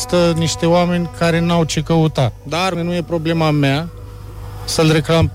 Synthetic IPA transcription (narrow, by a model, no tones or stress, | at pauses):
st̪əniʂt̪ewaminkaɾenawt͡ʃʰikəut̪ad̪aɾminũjepɾoblemamːa | səld̪ɾikɾam